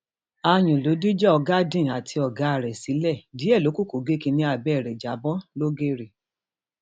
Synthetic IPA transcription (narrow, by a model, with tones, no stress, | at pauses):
a˧j̃ũ˨lo˨˦di˦d͡ʒɛ˦ɔ˧ɡa˦dĩ˦˨a˨tʰi˧ɔ˨ɡa˨˦a˨ɾɛ˨si˨˦lɛ˦˨di˨˦ɛ˦˨lo˨˦ku˦ko˨ɡe˦kĩ˧nĩ˧˦a˧˨bɛ˦˨ɾɛ˨d͡ʒa˨˦bɔ˦lo˦ɡe˦ɾi˨